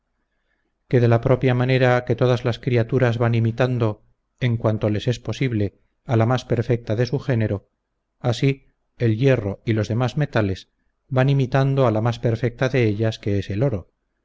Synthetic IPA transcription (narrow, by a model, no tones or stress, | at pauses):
ke̞ðe̞lapɾo̞pjamane̞ɾake̞t̪o̞ð̞azlaskɾiat̪uɾazβanimit̪and̪o̞ | eŋkwant̪o̞le̞se̞spo̞siβle̞ | alamaspe̞ɾfe̞k̚t̪aðe̞suxe̞ne̞ɾo | asi | elje̞ro̞ilo̞zðe̞mazme̞t̪ale̞z | banimit̪and̪o̞alamaspe̞ɾfe̞k̚t̪aðe̞eʎaske̞eselo̞ɾo